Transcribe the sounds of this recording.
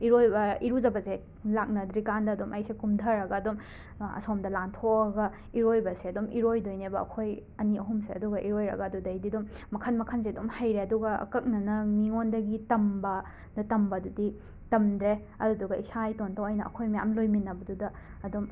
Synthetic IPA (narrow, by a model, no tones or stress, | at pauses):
iɾojbɐiɾud͡ʒɐbɐse | lak̚nɐdɾikandɐːdomʔɐjsekumdʱɐɾɐɡɐːdom | ɐ̰somdɐlantʰokɐɡɐ | iɾojbɐseɐdomʔiɾojdojnebɐɐ̰kʰojɐniɐɦumseɐ̰duɡɐʔiɾojɾɐ̰ɡɐːdudɐjdidomːɐkʰɐnmɐkʰɐns̬eɐdomhɐjɾeɐduɡɐɐ̰kɐk̚nɐnɐmiŋondɐɡitɐmbɐ | dɐtɐmbɐdudi | tɐmdɾe | ɐduduɡɐisajtontʰawɐjnɐʔɐ̰kʰojmɐja̰mlojminɐbɐdudɐ | ɐdom